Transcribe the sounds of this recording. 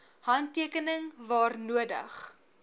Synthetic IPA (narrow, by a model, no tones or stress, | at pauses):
hɐntːiəkənəŋvɑːrnuədə̰χ